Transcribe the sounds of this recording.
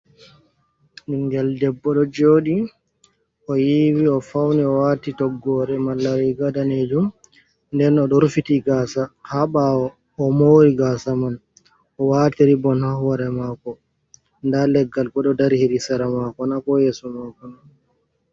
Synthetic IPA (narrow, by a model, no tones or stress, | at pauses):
iŋɡɛldɛbːɔɗɔd͡ʒoːɗi | ʔɔjiwiɔfawnɛɔwaːtitɔɡːɔɾɛmalːaɾiɡadaned͡ʒum | ndɛnɔɗɔɾfitiɡasahaɓawɔː | mowɾiɡaːsaman | ʔɔwatiɾibɔnhahwaɾɛmakɔ | ndalɛɡːalkɔɗɔdaɾhiɾisaɾamakɔnakɔjeːsɔmakɔna